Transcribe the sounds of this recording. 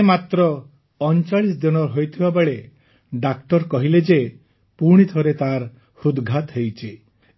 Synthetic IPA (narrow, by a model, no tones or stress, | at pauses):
mat̪ɾɔː | nt͡ʃaɭisd̪ɔnɔɾɦojt̪ʰibabeɭe | ɖak̚ʈɔɾkɔɦiled͡ʒe | puɽ̃it̪ʰɔɾet̪aɾ | hud̪ɡʱat̪ɦejt͡ʃʰi